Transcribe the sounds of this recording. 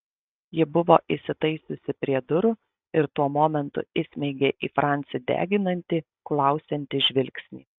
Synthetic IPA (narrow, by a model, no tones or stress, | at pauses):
jɪbʊʋoːʔɪsʲɪt̪ɐɪsʲʊsʲɪpʲɾʲiɛd̪ʊɾʊ | ɪɾt̪uɔmoːmʲɛnt̪ʊ̰ɪsʲmʲɛɪɡʲeːʔiːfɾʔɑˑnʲt̪sʲɪd̪ʲæ̰ːɡʲɪnɐnʲt̪ʲɪ | klˠɐˑʊsʲɛnʲt̪ʲɪʒʲʋʲɪlʲksʲnʲḭː